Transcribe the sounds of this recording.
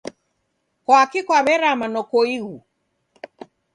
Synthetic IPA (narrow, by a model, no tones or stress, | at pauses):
kɔakikwaβɛɾamanɔkɔiɣu